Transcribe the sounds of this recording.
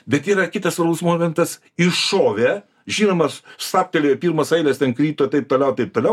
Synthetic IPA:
bʲɛt̪iːɾɐkʲɪt̪ɐsʋɐɾbʊsmoːmʲɛnt̪ɐs | ɪʃoːʋʲeː | ʒʲiːnoːmɐsst̪ɑːp̚ʲt̪ʲɛlʲeːjopʲiːɾmɐsɐɪlʲɛst̪ʲɛnkɾʲiːt̪oːt̪ɐɪp̚t̪oːlʲɛʊt̪ɐɪpt̪oːlʲɛʊ

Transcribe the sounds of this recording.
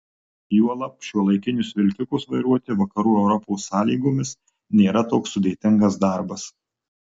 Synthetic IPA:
juɔlˠɐpʲʃʲuɔlˠɐɪkʲɪnʲʊsʋʲɪlʲkʲɪkʊsʋɐɪɾuɔt̪ʲɪʋɐkɐɾuːɛʊɾɔpoːsːɑːlʲiːɡoːmʲɪs | nʲeːɾɐt̪oːksːʊd̪ʲeːt̪ʲɪŋɡɐs̬d̪ɑˑɾbɐs

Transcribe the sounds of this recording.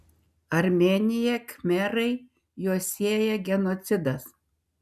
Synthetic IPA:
ɐɾʲmʲeːnʲɪjɛkmʲɛɾɐɪ | juɔsʲeɛjɛɡʲɛnot̪sʲɪd̪ɐs

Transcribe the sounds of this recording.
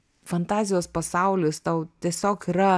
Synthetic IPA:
fɐnt̪ɑːzʲɪjoːspɐsɑˑʊlʲɪst̪ɐʊt̪ʲiɛsʲoːkiːɾɐ

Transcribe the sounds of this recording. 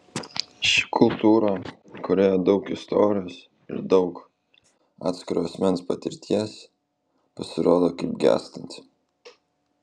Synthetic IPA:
ʃʲɪ̥kʰʊlˠt̪uːɾo | kʊɾʲeːjoːd̪ɒʊkɪst̪oːɾʲɪjoːs | ɪ̰ɾd̪ɒʊk | ɑ̰ːt̪sʲkʲɪɾoɐsʲmʲɛnspɐt̪ʲɪɾʲt̪ʲiɛs | pɐsʲɪɾoːd̪oːkɐɪp̚ɡʲæ̰ːst̪ɐnʲt̪ʲ

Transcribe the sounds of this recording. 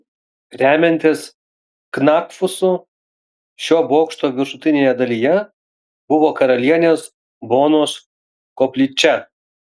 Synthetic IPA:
ɾʲæːmʲɛnʲt̪ʲɪs | knɑkfʊsʊ | ʃʲoːboːkʃt̪oːʋʲɪɾʃʊt̪ʲɪnʲeːjɛd̪ɐlʲijɛ | bʊʋoːkɐɾɐlʲiɛnʲeːs | boːnoːs | koːpʲlʲit͡ʃʲɛ

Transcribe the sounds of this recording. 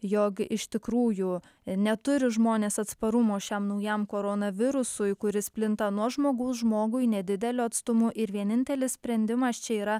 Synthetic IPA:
joːkɪʃt̪ʲɪkɾuːju | nʲɛt̪ʊɾʲɪʒmoːnʲeːsɐt̪spɐɾʊmoːʃʲɛmnɐʊjɛmkoːɾoːnɐʋʲɪɾʊsʊjkʊɾʲɪsʲpʲlʲɪnt̪ɐnuɔʒmoːɡɐʊsʒmoːɡʊɪnʲɛd̪ʲɪd̪ʲɛlʲoːɐt̪st̪ʊmʊʔɪɾʋʲiɛnʲɪnʲt̪ʲɛlʲɪsʲsʲpʲɾʲɛnʲd̪ʲɪmɐst͡ʃʲɛiːɾɐ

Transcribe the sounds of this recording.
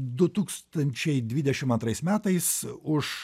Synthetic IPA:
d̪ʊt̪uːkst̪ɐnʲt͡ʃʲɛɪd̪ʲʋʲid̪ʲɛʃʲɪmɐnt̪ɾɐɪsmʲæːt̪ɐɪsʊʃ

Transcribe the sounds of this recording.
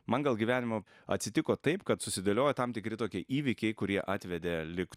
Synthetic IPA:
mɐnɡɐlˠɡʲiʋʲæːnʲɪmo | ɐ̰t̪sʲɪt̪ʲɪkoːt̪ɐɪpkɐt̪sʊsʲɪd̪ɐlʲoːjɛt̪ɐmt̪ʲɪkɾʲɪt̪oːkʲiɛʔiːʋʲɪkʲɛɪkʊɾʲiɛʔɑːt̪ʲʋʲɛd̪ʲelʲɪk

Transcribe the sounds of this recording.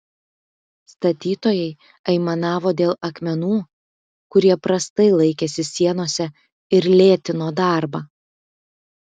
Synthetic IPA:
st̪ɐt̪ʲiːt̪oːjɛɪ | ɐɪmɐnɑːʋoːd̪ʲeːlˠɐkmʲɛnuː | kʊɾʲiɛpɾɐst̪ɐɪlˠɐɪkʲeːsʲɪsʲiɛnoːsʲɛ | ɪɾlʲeːt̪ʲɪnoːd̪ɑɾbɐː

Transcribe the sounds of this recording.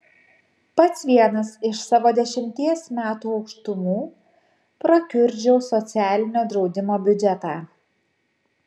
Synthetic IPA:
pɐt̪sʋʲiɛnɐsɪʃsɑːʋoːd̪ʲɛʃʲɪmʲt̪ʲiɛsmʲæːt̪uːɒʊkʃt̪ʊmuː | pɾɐkʲʊɾʲd͡ʒʲɛʊsɔt̪sʲæːlʲɪnʲoːd̪ɾɒʊd̪ʲɪmoːbʲʊd͡ʒʲɛt̪ɑː

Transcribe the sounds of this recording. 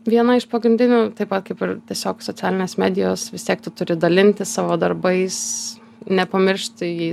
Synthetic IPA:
ʋʲiɛnɐɪʃpɐɡɾʲɪnʲd̪ʲɪnʲuːt̪ɐɪpʋɐt̪̚kɐɪpɪɾt̪ʲiɛsʲoːksoːt͡sʲæːlʲɪnʲeːsmʲæːd̪ʲɪjoːsʋʲɪst̪ʲiɛk̚t̪ʊt̪ʊɾʲɪd̪ɐlʲɪnʲt̪ʲɪssɑːʋoːd̪ɐrbɐɪs | nʲɛpɐmʲɪɾʃt̪ʲjɛɪ

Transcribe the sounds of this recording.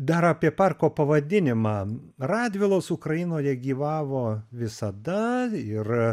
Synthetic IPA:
d̪ɐɾɐːpʲiɛpɑrkoːpɐʋɐd̪ʲɪnʲɪmɑː | rɑːd̪ʲʋʲɪlˠoːsʊkɾɐjɪnoːjɛɡʲiːʋɑːʋoːʋʲɪsɐd̪ɐɪr

